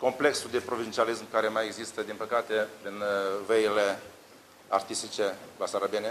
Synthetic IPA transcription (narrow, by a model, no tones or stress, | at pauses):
ko̞mple̞ksud̪e̞pɾo̞vint͡ʃialismkaɾe̞majeɡzist̪əd̪inpəkat̪e̞inveile̞ | art̪ist̪it͡ʃe̞lasaɾabene